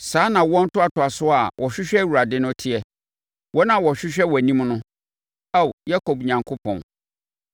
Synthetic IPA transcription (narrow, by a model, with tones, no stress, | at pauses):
saː˨˦nã˨wɔ̃˦n̩˦tʊ˦a˨tʰʊ˨a˨sʊ˦a˨wʔɔ˨ɕᶣɪ˦ɕᶣɛ˦wu˨ɾa˨dɪ˦nʊ̃˦tʰi˦ɛ˨ | wʔɔ˦nã˨wɔ˨ɕᶣɪ˦ɕᶣɛ˦wɔ˨æ˨nĩ˦mnʊ̃˦ | a˦˨wja˦ko˨bɲã˨ŋkʰʊ˦pʰɔ̰̃˨n